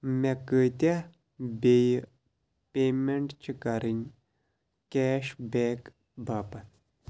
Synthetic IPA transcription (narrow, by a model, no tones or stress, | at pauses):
mekət̪a | bej | peːmeɳʈt͡ʃʰikɐɾinʲ | kɛːʃbeːk | bʱapɐn